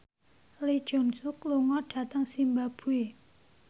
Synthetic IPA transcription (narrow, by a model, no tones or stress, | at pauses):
led͡ʒɔnt͡sʰuk̚loŋɔʈ͡ʂʰat̪aŋsimbapʰue